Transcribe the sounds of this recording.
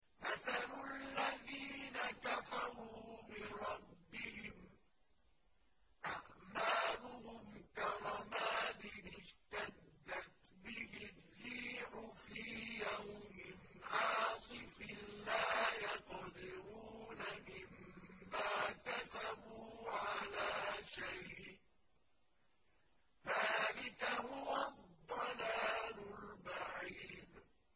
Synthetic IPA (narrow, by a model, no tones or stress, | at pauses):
ʔaθalʊalːaðiːnakafɑɾuːbɪɾˤɑbːɪhɪm | ʔaʕmaːlʊhʊmkɑɾˤɑmaːt̪ɪnɪd͡ʒt̪ad̪ːat̪bɪhɪː | iːʕʊfijawmɪnʕɑːsˤɨfɪlaːjɑqd̪ɪɾuːnamɪmːaːkasabuːʕalaːʃajʔ | ðaːlɪkahʊwad̪ˤːɑlaːlʊlbaʕiːd̪